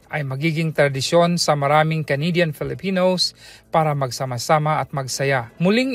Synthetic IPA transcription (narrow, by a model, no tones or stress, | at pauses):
ʔɐjmɐɡiːɡɪŋt̪ɾɐd̪ɪʃjonsɐmɐɾaːmɪŋkɐnid̪janfɪlɪpiːnowspaːɾamɐɡsamasaːmaʔɐt̪̚mɐɡsɐjamʊlɪŋ